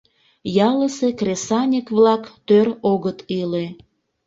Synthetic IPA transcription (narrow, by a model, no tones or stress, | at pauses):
jɑləsekrʲesɑnʲəkβlɑkt̪øɾoɣət̪ile